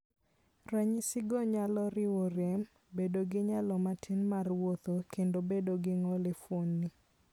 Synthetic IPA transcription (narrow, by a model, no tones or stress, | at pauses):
raɲisɪɡoɲalɔɾɪwoɾem | bedoɡɪɲalɔmatʰinmarwot̪okendobedoɡɪŋɔlefwonːɪ